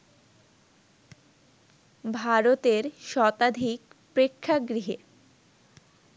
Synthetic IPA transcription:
bʱaɾot̪eɾʃɔt̪ad̪ʱik | pɾekʰːaɡɾiɦe

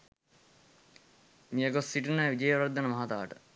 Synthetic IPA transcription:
mijəɡosːiʈunəʋid͡ʒəjəɾad̪ːənəmaɦat̪aːʈə

